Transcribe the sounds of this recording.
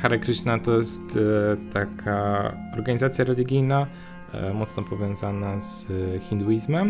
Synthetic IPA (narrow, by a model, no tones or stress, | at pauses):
xaɾakɾɘʂnat̪ɔjɛst̪t̪akʰaɔɾɡaɲizat̪sʲjaɾɛlʲiɡʲijna | mɔt̪snɔpɔvʲjɔ̃w̃zanaz̥xʲind̪uizmɛm